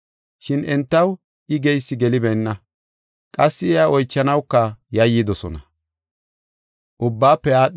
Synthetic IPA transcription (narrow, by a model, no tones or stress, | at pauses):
ʃɪnʔɛnt̪ːɐw | ʔɪɡɛjsːɪɡɛlɪbɛjnːɐ | kʼɐsːɪɛaɔjt͡ʃːɐnɐwkːɐjɐjːid̪ɔsɔ̰nɐ | ʔʊbːaːpːɛaːɗ